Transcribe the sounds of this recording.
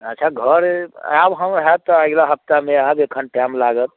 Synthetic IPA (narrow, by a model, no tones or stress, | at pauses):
ətːt͡ʃʰaɡʱəɾa̰bɦəmɦat̪ːɔaɡlaɦəp̚t̪ameabekʰənʈamlaɡət̪̚